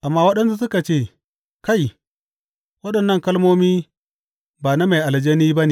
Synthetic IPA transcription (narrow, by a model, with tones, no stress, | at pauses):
ʔa˨mːa˦wɐ˦ɗɐ˦nsu˦su˦ka˨t͡ʃe˦˨ | ka˦˨j | wɐ˦ɗɐ˨nːɐ˦˨ŋkɐ˦lmoː˦miː˦ | baː˨na˦ma˨jʔa˨ld͡ʒe˦ni˦ba˦ne˨